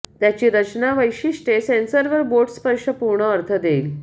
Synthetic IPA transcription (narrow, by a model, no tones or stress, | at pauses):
t̪jat͡ɕiːɾət͡ɕnaʋəjɕiʂʈesẽnsəɾʋəɾboɾʈspəɾʂəpuɾɳəːɾt̪ʰəd̪eil